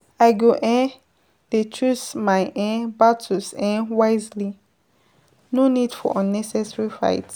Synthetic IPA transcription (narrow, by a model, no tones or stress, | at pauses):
aɪɡoʔɛ̃n | det͡ʃusmaɪʔɛ̃nbatʰusɛ̃nwaɪzli | nonidfɔ̰ʔɔ̃nːɛsɛsɹifa̰ɪt